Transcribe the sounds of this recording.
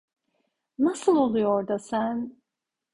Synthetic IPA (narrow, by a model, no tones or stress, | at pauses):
nasɯlˠo̞lˠujoɾd̪asæn